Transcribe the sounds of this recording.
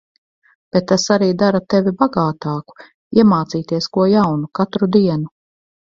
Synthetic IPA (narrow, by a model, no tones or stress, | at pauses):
b̥et̪ːasaɾiːd̪aɾat̪evibaɡaːt̪aːku̥ | iɛmaːt̪siːt̪iɛskuɔjawnukat̪ɾud̪iɛnu